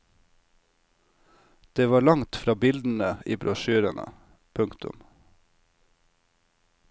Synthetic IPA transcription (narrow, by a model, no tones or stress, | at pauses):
d̪̥eːʋɑːɭɑŋt̪fɾɑːbɪld̪n̩əḭːbɾɔʃʉːɾənʔə̰ | pʰʉŋkt̪ʊ̰m